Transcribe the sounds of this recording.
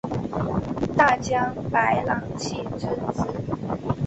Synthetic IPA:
t̪a˥˩t͡ɕjɑ˥ŋpa˧˥ɪlɑ˧˥ŋt͡ɕʰi˥˩t͡sʰə˧˥nt͡sɹ̩˥˩

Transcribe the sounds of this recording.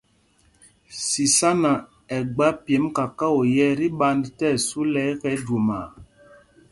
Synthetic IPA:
si˨sa˦na˨ | ɛ˨ɡ͡ba˦pjɛ˨˦mka˨ka˦o˨jɛ˦ɾi˦ɓa˦ndtɛ˦˨su˦lɛ˦kɛ˦do˨ma˨

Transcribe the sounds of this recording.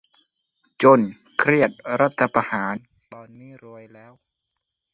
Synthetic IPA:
t͡ɕo˧˩n | kʰɾi˥˩ət̪̚ɾa˦˥t̪ʰːa˧pa˧haː˩˦n | bɔː˧nmiː˦˥˩ɾu˧əjlɛː˦˥˩w

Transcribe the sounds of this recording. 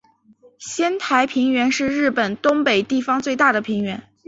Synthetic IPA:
ɕjɛ˥nt̪ʰa˧˥ɪpʰi˧˥ŋɥɛ˧˥nʂɻ̩˥˧ɻɻ̩˥˩pə˨˩nt̪ʊ˥ŋpe˨˩ɪt̪i˥˩fɑ˧˥ŋt͡swe˥˧ɪt̪a˥˩d̪ə˩pʰi˧˥ŋɥɛ˧˥n

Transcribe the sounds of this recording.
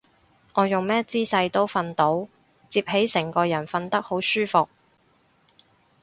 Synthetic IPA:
ŋɔː˨˧jʊ˨ŋmɛː˥t͡siː˥sɐ˧jt̪o˥wfɐ˧nt̪o˨˥w | t͡siː˧p̚he˨˥jsɛ˨˩ŋkɔː˧jɐ˨˩nfɐ˧nt̪ɐ˥k̚ho˨˥wsyː˥fʊ˨k̚

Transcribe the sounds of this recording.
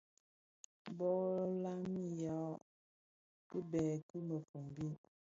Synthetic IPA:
bɔ˦la˦mi˦jɔ˨˦ | kɨ˦bɛː˨kɨ˦mə˨fu˨m˨bi˦

